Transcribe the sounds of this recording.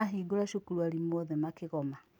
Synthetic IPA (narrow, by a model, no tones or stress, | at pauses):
aɦiɡoɾaʃokuɾuaɾimwɔðɛmakeɣɔma